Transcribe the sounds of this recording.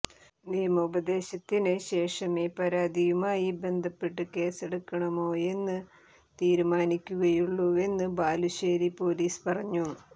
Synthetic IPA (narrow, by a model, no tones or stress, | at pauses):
niːɐmɐubɐd̪e̞ːɕɐt̪ːinɨɕe̞ːʂɐmeːpɐɾaːd̪ijumaːjibe̞nd̪ʱɐpːeʈːɨke̞ːseɽukːɐɳɐmoːe̞nːɨ | t̪iːɾumaːnikʲːuɣɐjuɭːuʋe̞nːɨbaːluɕeːɾipo̞ːliːspɐrɐɲːu